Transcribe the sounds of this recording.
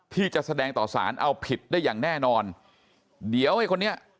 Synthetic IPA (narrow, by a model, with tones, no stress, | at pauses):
t̪ʰiː˥˩t͡ɕa˨˩ʔsa˧dɛː˧ŋt̪ɔː˨˩sa̰ː˩˦nʔa˧wpʰi˨˩t̪̚da˥˩jaː˨˩ŋnɛː˥˩nɔː˧n | di˩˦əwha˧˩jkʰo˧nːi˦˥ɐ